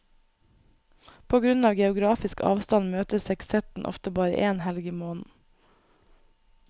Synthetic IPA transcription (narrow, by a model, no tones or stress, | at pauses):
pʰoːɡɾʉnɑːʋɡɛʊɡɾɑːfɪskɑ̰ːʋst̪ɑnmøːt̪əsɛksɛt̪n̩ʔɔ̰ft̪əbɑːɾə̰ʔeːnhɛlɡiːmoːnn̩